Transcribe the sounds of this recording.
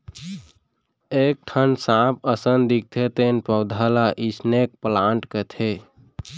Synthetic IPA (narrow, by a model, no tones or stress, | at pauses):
ek̚ʈʰənsãpʰəsənd̪ik̚t̪ʰet̪enpəwd̪ʱalaʔisnek̚plãɳʈkət̪ʰe